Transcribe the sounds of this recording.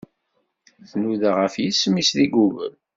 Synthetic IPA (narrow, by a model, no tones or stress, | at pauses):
θnuðaʁəfjismisðiɡuvə̰l